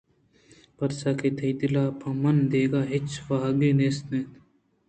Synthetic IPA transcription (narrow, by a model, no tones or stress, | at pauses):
pɐɾsaket̪ʰɐjt̪ilaːpʰɐmɐnd̪eːɡaːɦɪt͡ʃʋaɦɐɡenesnet̪